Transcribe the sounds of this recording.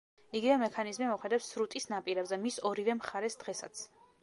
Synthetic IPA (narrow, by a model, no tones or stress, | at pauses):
iɡivɛmɛkʰanizmimɔχɛd̪apsɾut̪ʼisnapʼiɾɛbzɛmisɔɾivɛmχaɾɛsd̪̥ʁɛsa̰t̪sʰ